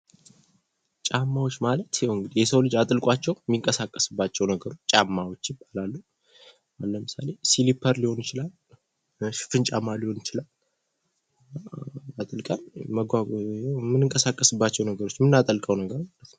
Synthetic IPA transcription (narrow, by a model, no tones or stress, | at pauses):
t͡ʃʼamːawot͡ʃːmalət̪jwɨŋɡɨd̪ijɛsəwlɨd͡ʒat̪ʼɨlkʼat͡ʃːɛwmːiŋkʼəsakʼːəsɨbːat͡ʃːɛwnəɡəɾot͡ʃːt͡ʃʼamːawo̞t͡ʃːjɪbːalalːu | alːəmɨsa̰le̞silipʰəɾliho̞njɪt͡ʃɪlal | ʃɪ̥fɨnt͡ʃʼamːaliho̞njɪt͡ʃɪlal | naat̪ʼɨlkʼənməɡʷajamːɨnɨŋkʼəsakʼːəsɨbːat͡ʃːɛwnəɡəɾo̞t͡ʃːmɨnːat̪ʼəlkʼəwnəɡəɾmaalət̪nəw